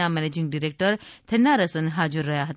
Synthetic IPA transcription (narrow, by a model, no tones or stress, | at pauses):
amɛned͡ʑiŋɡɖiɾek̚ʈəɾt̪ʰenaɾəsənɦad͡ʒuɾːəɦjaɦət̪